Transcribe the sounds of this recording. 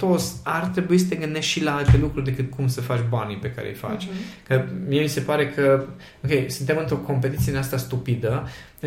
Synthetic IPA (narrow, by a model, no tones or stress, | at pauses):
t̪ot̪sʲart̪ɾe̞buisə̥t̪e̞ɡɨnd̪e̞ʃt̪ʃilaalt̪e̞lukɾuɾd̪e̞kɨt̪̚kʰumsəfat͡ʃʲbanipe̞ka̰ɾḛjfa̰t͡ʃʲkəmie̞mise̞paɾe̞kʰə | o̞kʲe̞jsunt̪emɨnt̪ɾo̞ko̞mpe̞t̪it̪sieneast̪ast̪upid̪ə